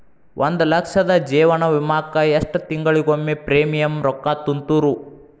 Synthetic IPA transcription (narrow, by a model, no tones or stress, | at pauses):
wʔond̪ulɐkʂɐd̪ɐd͡ʒiːʋɐɳɐʋimaːkɐjeʂʈɐt̪iŋɡɐɭiɡomːepɾeːmijɐmɾɔkːaːt̪unt̪uɾu